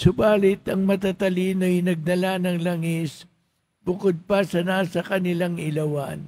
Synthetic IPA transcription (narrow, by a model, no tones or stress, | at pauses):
sʊbaːlɪt̪ɐŋmɐt̪at̪ɐliːnojnɐɡ̚d̪ɐlanɐŋlɐŋis | bʊkod̪̚pɐsɐnasɐkɐnɪlaŋɪlɐwan